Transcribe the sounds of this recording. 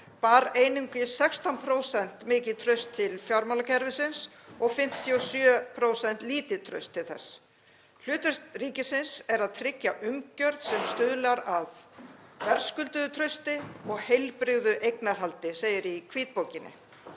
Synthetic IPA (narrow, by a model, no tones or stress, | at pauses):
paːɾeːjniŋkɪsɛkst̪anpʰɾoːwsɛn̥t̪mɪːcɪðt̪ʰɾœɥst̪ʰːɪlfjaɾmalacʰɛɾvɪsɪns | ɔɣfɪm̥t̪ʰːiɔsjœːpʰɾowsɛn̥t̪liːt̪ɪt̪ʰɾœ̰ɥst̪ʰːɪlθɛ̰s | l̥ʏːt̪ɛst̪riːcɪsɪnsɛɾaðt̪ʰɾɪcːaʔʏmcœɾðsɛmst̪ʏðlaɾaðvɛɾ̥skʏlt̪ʏðʏt̪ʰɾœɥst̪ɪɔɣhejlpɾɪɣðʏʔejknaɾ̥ɦalt̪ɪseːjɪɾikʰviːt̪̚poːwcɪnːɪ̰